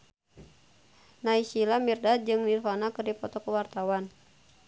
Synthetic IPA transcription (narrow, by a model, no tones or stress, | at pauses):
naisilamirdad͡ʒɨŋnilfanakɨrdipɔt̪ɔkəwart̪awan